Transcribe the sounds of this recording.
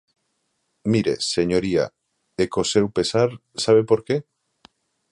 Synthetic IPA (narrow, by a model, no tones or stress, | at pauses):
miɾeseɲoɾia̰ | ekosewpesaɾ | saβepoɾke